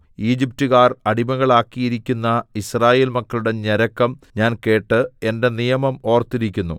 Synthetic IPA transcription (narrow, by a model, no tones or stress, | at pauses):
iːd͡ʑip̚tuɣaːrɐɽimɐɣɐɭaːkːijiɾikʲːunːɐisraːje̞ːlmɐkːɐluɽe̞ɲɐɾɐkːɐmɲaːnke̞ːʈːɨe̞nde̞nijɐmɐmo̞ːrt̪ːiɾikʲːunːu